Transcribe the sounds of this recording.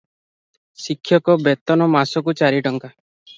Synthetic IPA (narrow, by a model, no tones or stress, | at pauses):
sikʰːjɔkɔbet̪ɔnɔmasɔk̬ut͡ʃaɾiʈɔŋka